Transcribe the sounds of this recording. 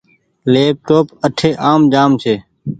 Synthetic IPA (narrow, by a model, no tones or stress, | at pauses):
leːp̚ʈoːpəʈʰeːʔaːmd͡ʒaːmt͡ʃʰeː